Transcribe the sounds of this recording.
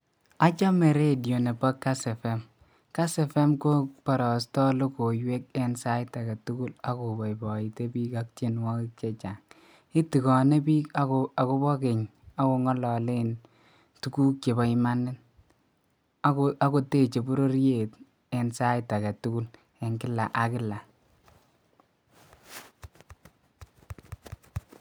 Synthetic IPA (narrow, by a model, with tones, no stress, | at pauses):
a˦t͡ʃa˦me˨ɾe˦djo˨ne˨pɔ˦kːa˦sɛ˨fɛ˦m | ka˦sɛ˨fɛ˦mko˦pɔ˨ɾɔ˨stɔ˦lo˦ko˨jwe˦k̚e˦nsa˦ɪ˦ta˨kɛ˨tu˦ku˦la˦ko˨bɔ˨i˨bɔ˨i˨te˦biː˦ka˦k̚t͡ʃe˦nwɔ˦kɪ˦k̚t͡ʃe˦t͡ʃa˨ŋ | ɪ˦ti˨kɔ˨ne˦bi˦aa˨ko˦bɔ˦ke˨ɲa˦ko˨ŋɔ˦lɔ˨le˦n | tu˦ku˦k̚t͡ʃe˨ba˨ɪ˦ma˦nɪ˦n | a˦a˦ko˨te˦t͡ʃe˨bu˦ɾo˦ɾje˨t | e˨nsa˦ɪ˦ta˨kɛ˨tu˦ku˦l | e˨ŋkɪ˦la˨ʔa˨kɪ˦la˨